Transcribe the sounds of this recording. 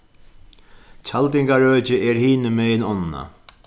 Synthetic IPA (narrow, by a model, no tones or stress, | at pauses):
cʰalt̪ɪŋkaɾœːt͡ʃɪʔɛɾhiːnɪmɛjnɔnːna̰